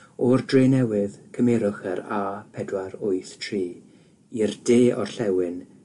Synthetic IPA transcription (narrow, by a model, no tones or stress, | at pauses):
ɔrdreːnɛwɪðkʰəmɛɾʊχəɾaːpʰɛdwaɾʊɨθtʰriː | irdeːʔɔ̰rɬɛwɪn